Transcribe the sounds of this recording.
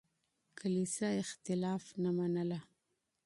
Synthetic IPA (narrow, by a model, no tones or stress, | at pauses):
kʰalisaɪxt̪ɪlɑfnamanala